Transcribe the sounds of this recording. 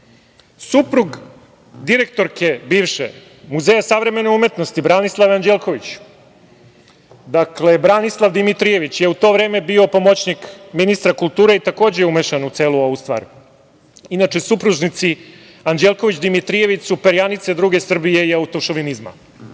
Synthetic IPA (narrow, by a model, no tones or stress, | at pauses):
supɾuɡ | d̪iɾe̞k̚t̪o̞ɾke̞biːʋʃḛ | muzejasaʋɾe̞me̞neume̞t̪nost̪ibɾanislˠaʋand͡ʑelˠko̞ʋit͡ɕ | d̪akle̞bɾanislˠaʋd̪imit̪ɾije̞ʋit͡ɕjeut̪o̞ʋɾe̞ːme̞biopo̞mot͡ɕnikminist̪ɾakult̪uːɾeit̪ako̞ːd͡ʑeumeʃanut̪se̞ːlˠuo̞ʋust̪ʋa̰ːɾ | inat͡ʃe̞supɾuʒnit̪si | and͡ʑelˠko̞ʋit͡ɕd̪imit̪ɾije̞ʋit͡ɕsupeɾjanit̪sed̪ɾuːɡe̞sr̩bije̞iaut̪o̞ʃoʋinizma̰